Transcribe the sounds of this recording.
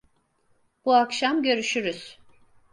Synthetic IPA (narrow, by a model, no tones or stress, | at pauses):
b̥uakʃamɟø̞ɾyʃyɾyz̥